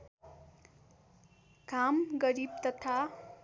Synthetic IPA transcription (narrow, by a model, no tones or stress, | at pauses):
kamɡʌɾib̚t̪ʌt̪ʰa